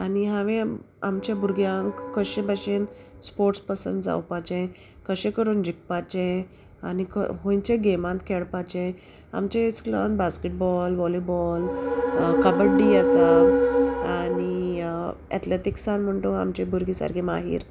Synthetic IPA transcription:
aniɦãʋẽ | amt͡ɕjabuɾɡjãŋkkːəɕẽbʱaɕen | spoɾʈspəsə̰nd͡za̰wpat͡ɕẽ | kəɕẽkəɾuːnd͡ʑik̚pat͡ɕẽ | anikə̰ɦõjɲt͡ɕẽɡemãnt̪kʰɛɽpat͡ɕẽ | a̰mt͡ɕẽt͡sklə̰nbaskeʈ̚bɔlʋɔlibɔl | kabəɖiasa | ani | ɛ̰t̪leʈ̪iksanm̤əɳt̪õa̰mt͡ɕebʱuɾɡisa̰ɾkʰema̰ɦḭːɾ

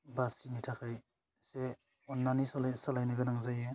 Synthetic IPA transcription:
basinitʰakʰaj | se | ɔnːanisɔlsalajnɯɡɯnaŋzaje

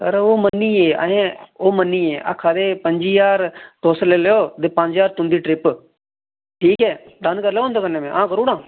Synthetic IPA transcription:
kəɾoːmənːiːeːa̰ɦẽːoːmənːiːeːʔa̰ːkʰaːd̪eːpəɲd͡ʒiːjaːɾt̪oːsleːleoːd̪eːpə̃ɲd͡ʒjaːɾt̪ʊ̃nd̪iːʈɾɪp | ʈʰiːkɦɛːɖənkəɾleːõnd̪aːkənːẽːmẽːʔãːkəɾuːɽãː

